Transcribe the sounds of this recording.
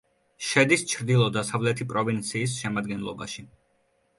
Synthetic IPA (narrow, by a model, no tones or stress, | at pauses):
ʃɛd̪ist͡ʃʰɾd̪ilˠɔd̪asavlɛt̪ʰipʼɾɔvint̪sʰiːs̬ʃɛmad̪ɡɛnlˠɔ̰ba̰ʃi